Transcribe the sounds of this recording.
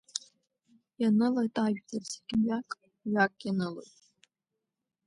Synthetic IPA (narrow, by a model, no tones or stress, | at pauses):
janɨlajtʼaʒᶣtʰʼarseɡʲʼɥakʼ | ɥakʼjanɨlo̰jtʼ